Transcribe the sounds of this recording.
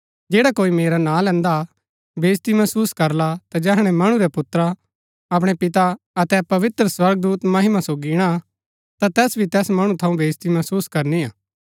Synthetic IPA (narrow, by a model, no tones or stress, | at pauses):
d͡ʒeːɽakoːimeːɾanãːlɛ̃ːnd̪a | bʱeːst̪imɐsuːskɐɾlat̪ad͡ʒɛːɦɽ̃ɛmɐɽ̃ũɾɛpʊt̪ɾa | ɐpɽ̃epɪt̪a | ɐt̪ɛpɐʋɪt̪ɾəswɐɾɡ̚d̪uːt̪mɐɦɪmasoɡiɽ̃a | t̪at̪ɛːsbʱit̪ɛːsmɐɽ̃ũt̪ʰɐũbʱeːɪst̪imɐsuːskɐɾniaː